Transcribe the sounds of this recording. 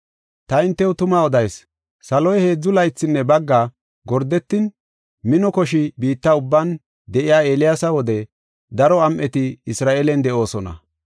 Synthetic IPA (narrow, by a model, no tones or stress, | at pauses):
t̪ɐɪnt̪ːɛwʊt̪ʊmaɔd̪ɐjs | sɐlɔjhe̞ːd͡zːʊlɐjt͡sːɪnːɛbɐɡːa | ɡɔɾd̪ɛt̪ːɪn | mɪnɔkɔʃɪbiːt̪ːɐʊbːan | d̪ɛʔɪjaːe̞ːlɪjasɐwɔd̪ɛ | d̪ɐɾɔɐmʔɛt̪ɪɪsɾaːʔeːlɛnd̪ɛʔo̞ːsɔnɐ̰